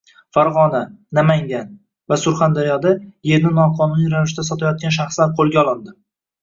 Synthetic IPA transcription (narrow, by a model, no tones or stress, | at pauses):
faɾʁɒnanamaŋɡʲan | vasʊɾχand̪aɾijɒd̪aje̞ɾnɪnɒqʰɒmuniɾavɪʃt̪d̪as̬ɒt̪ʰajɒt̪̚ɡʲanʃ̬aχslaɾqʰolˠɡʲaɒlˠɪnd̪ɪ